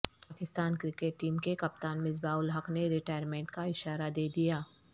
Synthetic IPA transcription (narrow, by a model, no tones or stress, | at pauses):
paːkɪst̪aːnkɾɪkeʈ̚ːiːmkekɐp̚t̪aːnmɪzbaːʊlɦɐkneɾɪʈaːjəɾmẽːɳʈkaɪʃaːɾad̪eːd̪ijaː